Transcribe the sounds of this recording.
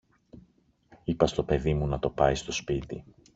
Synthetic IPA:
ipɐst̪o̞pe̞ðimunɐt̪o̞pɐjst̪o̞spit̪ḭ

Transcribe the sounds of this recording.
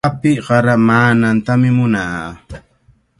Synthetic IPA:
apɪɢɑɾamaːnant̪amɪmʊnaː

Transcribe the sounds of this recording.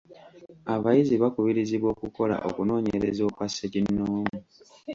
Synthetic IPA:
aβajiziβakuβiɾiziβwo̞ːkuko̞la̰ʔo̞̰kuno̞ːɲe̞̰ɾezo̞ːkwasecinːoːmmu

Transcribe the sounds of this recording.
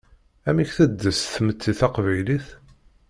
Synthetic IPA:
æmiçθæd̪ːəsθmət͡sːiθæqvæjliθ

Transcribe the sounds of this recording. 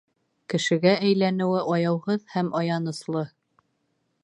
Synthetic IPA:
kɘ̆ʃɘ̆ɡæʔæjlænɘ̆wɘʔɑjɑwʁɤðhæmʔɑjɑnɤ̆slˠɤ

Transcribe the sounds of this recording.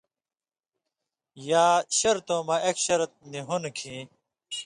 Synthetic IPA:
jaːɕɐɾt̪õːmaʔekɕɐɾt̪̚niɦunkʰĩ

